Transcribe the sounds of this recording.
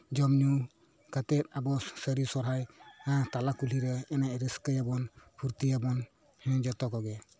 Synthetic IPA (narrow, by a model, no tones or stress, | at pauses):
d͡ʒɔmnu | kat̪ɛt̪̚abɔsəɾisɔɾɦajãt̪alakul̤iɾɛɛnaʔɾəskəjabɔnpʰuɾt̪ijabɔn | hɛ̃d͡ʒɔt̪ɔkɔɡɛ